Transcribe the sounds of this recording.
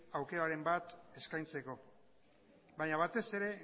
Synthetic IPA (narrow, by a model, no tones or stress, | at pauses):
awke̞ɾaɾe̞mbat̪e̞skajnt͡se̞ko̞ | baɲaβ̞at̪e̞se̞ɾe̞